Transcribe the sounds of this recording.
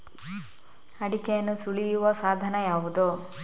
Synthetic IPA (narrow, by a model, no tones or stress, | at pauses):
ɐɽikɛjɐnːusuɭijuʋɐsaːd̪ʱɐnɐjaːʋud̪u